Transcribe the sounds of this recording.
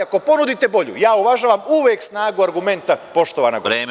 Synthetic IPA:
ako̞po̞nud̪it̪e̞bo̞ʎṵjaːuʋaʒaːʋamuʋjeːksnaːɡuaɾɡume̞nt̪apo̞ʃt̪oʋaːnaɡɾeː

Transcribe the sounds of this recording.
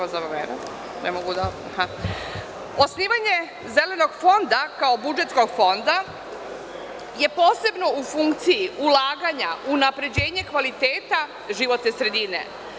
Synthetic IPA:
azaβameːnut̪ | nḛmoɡud̪a | ha | o̞sniːʋaɲe̞ | ze̞le̞no̞ɡfo̞nd̪akaobud͡ʒe̞t̪sko̞ɡfo̞nd̪a | je̞po̞ːse̞bno̞ufuŋkt̪sijiulaːɡaɲaʔunapɾe̞d͡ʑe̞ːɲe̞kʋalit̪e̞ːt̪a | ʒiʋo̞t̪nesɾe̞d̪ine̞̰

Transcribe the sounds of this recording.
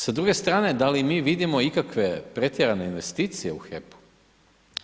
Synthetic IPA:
sad̪ɾuɡe̞st̪ɾaːne̞d̪alimiːʋid̪imo̞ikakʋe̞pɾe̞t̪jeɾane̞inʋe̞st̪iːt̪sije̞uxepu̥

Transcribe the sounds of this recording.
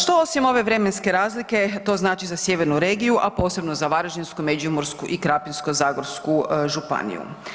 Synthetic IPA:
ʃt̪oosimo̞ʋe̞ʋɾe̞menske̞ɾaːzlike̞t̪o̞ːznaːt͡ʃizasjeʋe̞ɾnuɾe̞ːɡijuʔapo̞ːse̞bno̞zaʋaɾoʒinskumed͡ʒiumoɾskuʔikɾapinskozaːɡoɾskuʒupa̰nḭjṵ

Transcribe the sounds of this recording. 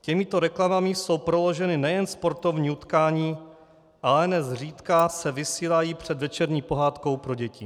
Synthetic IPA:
cɛmɪt̪o̞ɾɛklamamɪso̞wpɾo̞lo̞ʒɛnɪnɛjɛnspo̞ɾt̪o̞vɲiːut̪kaːɲiː | ʔalɛnɛzr̝iːt̪kasɛvɪsiːlajiːpr̝̥ɛd̪vɛt͡ʃɛɾɲiːpo̞ɦaːt̪ko̞wpɾo̞ɟɛcɪ

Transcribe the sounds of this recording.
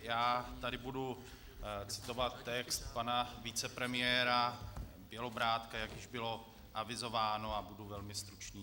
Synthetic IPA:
jaːt̪adɪbudu | t͡sɪ̥t̪o̞vat̪ːɛkst̪panavɪt͡sɛpɾɛmɪjɛːɾa | bjɛlobɾaːt̪kajakjɪʒbɪlo̞ | ʔavɪzo̞vaːnoabuduvɛlmɪst̪ɾut͡ʃniː

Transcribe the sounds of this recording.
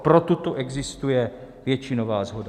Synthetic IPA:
pɾot̪ut̪oʔɛɡzɪst̪ujɛ | vjɛt͡ʃiːnovaːzɦoda

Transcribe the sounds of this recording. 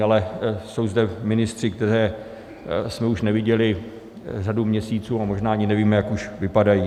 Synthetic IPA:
alɛso̞wzdɛmɪnɪst̪r̝̥ɪk̚t̪ɛɾɛː | smɛuʃnɛvɪɟɛlɪ | r̝adumɲɛsiːt͡suːamoʒnaːaɲɪnɛviːmɛjakuʃvɪpadajiː

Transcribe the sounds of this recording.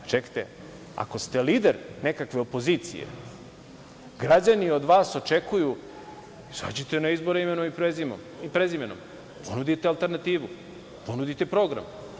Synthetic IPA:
t͡ʃekt̪ḛ | a̰ko̞st̪e̞liːd̪eɾne̞kakʋe̞opo̞ziːt̪sḭjḛ | ɡɾad͡ʑanio̞d̪ʋaːso̞t͡ʃekuju | isa̰ːd͡ʑit̪enaizbo̞ɾeimenomipɾezimo | ipɾezimeno̰m | po̞nud̪it̪ealˠt̪e̞ɾnat̪iːʋu | po̞nud̪it̪e̞pɾo̞ɡɾa̰m

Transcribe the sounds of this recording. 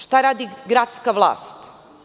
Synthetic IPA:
ʃt̪aɾaːd̪iɡɾat̪skaʋlˠa̰ːst̪

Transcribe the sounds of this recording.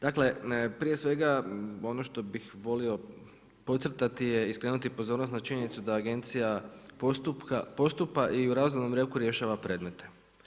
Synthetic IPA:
d̪̥akle̞pɾije̞sʋe̞ɡao̞noʃt̪o̞bixʋo̞lio̞ | po̞t̪sɾ̩t̪at̪ije̞iskleːnut̪ipo̞zo̞ːɾnost̪nat͡ʃiɲe̞nit̪sud̪aːɡe̞nt̪sijaost̪upkapo̞st̪upaʔiuɾazunomɾjekuɾje̞ʃaːʋapɾe̞d̪me̞t̪e̞

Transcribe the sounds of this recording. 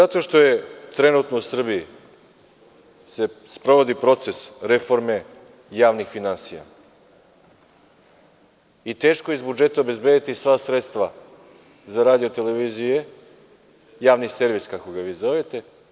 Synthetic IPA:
zat̪o̞ʃt̪o̞je̞t̪ɾe̞nut̪nousr̩biji | se̞spɾo̞ʋo̞d̪ipɾo̞t̪se̞sɾe̞foɾme̞ | jaːʋnixfinansija̰ | it̪e̞ːʃkoizbud͡ʒe̞t̪aobe̞zbed̪it̪isʋasɾet̪st̪ʋa | zaɾaːd̪io̞t̪e̞le̞ʋiːzije̞ | jaːʋnise̞ɾʋiskako̞ɡaʋiːzo̞ʋet̪e̞

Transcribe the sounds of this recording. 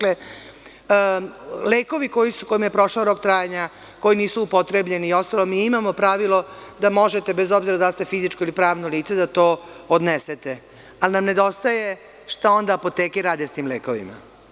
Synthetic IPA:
akle | leːko̞ʋiko̞jisuko̞jimjepɾo̞ʃlaoɾo̞kt̪ɾaːjeɲa | ko̞jiniːsuupo̞t̪ɾe̞bʎe̞nio̞st̪alˠo̞miimamo̞pɾaʋilˠo̞d̪amo̞ʒet̪ebezo̞bziɾad̪ast̪efizit͡ʃko̞ilipɾaːʋnoliːt̪se̞d̪at̪o̞ːod̪neset̪e | alinamne̞d̪o̞st̪aje̞ | ʂt̪ao̞nd̪aːpo̞t̪eːkeɾaːd̪est̪iːmleːko̞ʋḭma̰

